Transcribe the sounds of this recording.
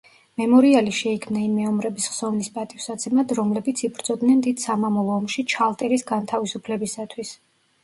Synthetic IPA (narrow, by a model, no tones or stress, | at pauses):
mɛmɔɾialiʃɛikʰmnaimɛɔmɾɛbisχsɔvnispʼat̪ʼivsat̪sʰɛmad̪ɾɔmlɛbit̪sʰibɾd̪z̥ɔd̪nɛnd̪id̪̥samamɔlˠɔːmʃit͡ʃʰalˠt̪ʼɛɾisɡant̪ʰavisupʰlɛbisat̪ʰwis